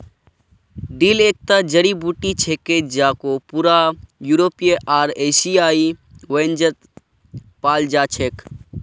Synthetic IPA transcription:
ɖiːlek̚t̪ad͡ʒəɽibuʈit͡ʃʰeked͡ʒaːkopuɾajuɾoːpijeʔaːɾesijaːi | wend͡ʒət̪ | paːld͡ʒaːt͡ʃʰeːk

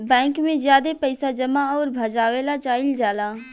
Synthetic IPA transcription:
bɛ̃ːŋkmẽzjaːd̪epɐɪsad͡ʒɐmaɔːɾbʱɐd͡ʒaːʋeːlat͡ʃaːɪld͡ʒaːlãː

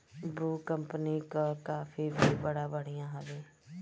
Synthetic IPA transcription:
bɾuːkəmpniːkkaːfʰiːbʱiːbəɽaːbəɽ̃ijãːɦəʋeː

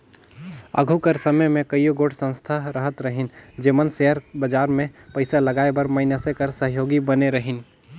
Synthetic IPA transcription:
ə̰ɡʱukəɾsəməjmẽkəjoɡoːʈʰsə̃nst̪ʰaɾəɦət̪ɾəɦɪnd͡ʒemənseɦəɾbəd͡ʒaːɾmẽpəɪsaləɡaːebəɾməɪnəsekəɾsəɦjoːɡibəneɾəɦɪn

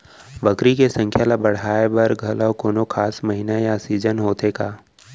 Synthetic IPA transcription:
bəkɾikesə̃ŋkʰjalabɐɽ̤aːebɐɾɡʱɐlakoːnokʰaːsmɐɦɪnajasiːd͡ʒənɦoːt̪ekaː

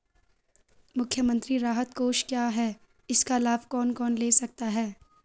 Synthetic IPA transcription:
mʊkʰjəmə̃nt̪ɾiɾaːɦət̪koːʃkjaːɦɛː | ɪskalaːbkɔːnkɔːnleːsɐk̚t̪aɦɛː

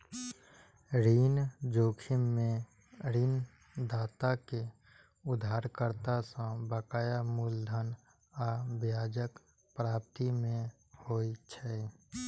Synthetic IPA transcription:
ɾiːnd͡ʒoːkʰɪmmẽ | ɾiːn | d̪aːt̪ake | ʊd̪ʱaːɾkəɾt̪asãbəkaːjamuld̪ʱən | abjaːd͡ʒək | pɾaːp̚t̪imẽ | hoːit͡ʃʰɛ

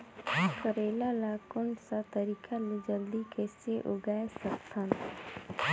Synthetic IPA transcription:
kəɾeːlalakʊnsat̪əɾiːkʰaled͡ʒəld̪ikeseʔʊɡaːesəkt̪ʰan

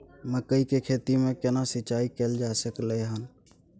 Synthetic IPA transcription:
məkəikekʰeːt̪imẽkenasɪt͡ʃaːikeld͡ʒasəkləɦən

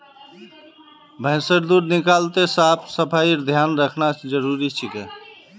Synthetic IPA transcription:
bʱə̃ɪ̃səɾd̪uɾnikalt̪esapʰsəpʰaiɾd̪ʱjanɾəkʰnasd͡ʒəɾuɾit͡ʃʰike

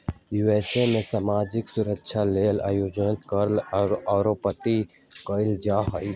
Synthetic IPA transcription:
juːeːsemẽsaːmaːd͡ʒɪksʊɾəkʃʰaleːla̰ːjoːd͡ʒnətkəɾlaɾopət̪i | kəɪld͡ʒaːɦəi

